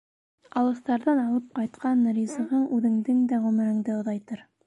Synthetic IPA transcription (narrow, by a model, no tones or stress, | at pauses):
ɑlˠɤ̆θt̪ɑɾðɑnɑlˠɤp̚qɑjt̪qɑnɾʲizɤ̆ʁɤɴʔʉðɘ̆ŋd̪ɘŋd̪æʁɵmɘ̆ɾɘ̆ŋd̪ɘŏðɑjt̪ɤɾ